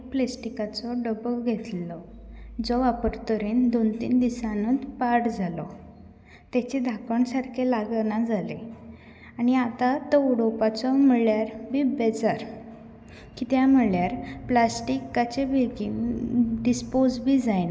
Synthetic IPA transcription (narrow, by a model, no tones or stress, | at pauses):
plesʈikat͡sɔɖəbəɡʱet̪lɔd͡zɔʋapəɾt̪əɾiːnd̪ont̪ḭːnd̪isãnud̪paɾʈd͡zʱalɔ | t̪jat͡ɕed̪ʱakəɳsaɾkʰelaɡənad͡zʱale | aniat̪at̪ɔɽɔpat͡sɔməɭjaɾbʱibɛd͡zaɾ | kit̪jam̤əɭjaɾplasʈikːat͡ɕebʱeɡinɖispod͡zbʱid͡zajn